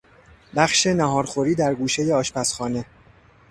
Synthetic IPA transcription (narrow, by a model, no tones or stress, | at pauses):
bæχʃe̞næɦɒːɾxoɾiːd̪æɾɡuːʃe̞jeɒːʃpʰæsxɒːne̞